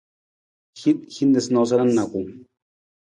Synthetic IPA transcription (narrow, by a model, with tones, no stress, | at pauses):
xit̪̚xi˦nd̪e˨snos̬ana˦nːa˨ku˨ŋ